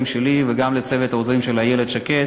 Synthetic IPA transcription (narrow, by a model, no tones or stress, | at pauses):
mʃeliveɡamlet͡sevet̪haozʁimʃelajeled̪ʃake